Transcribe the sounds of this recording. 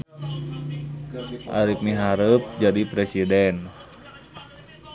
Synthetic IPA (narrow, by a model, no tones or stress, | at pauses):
ʔa̰ɾip̚niɦaɾəp̚d͡ʒadipɾesidɛn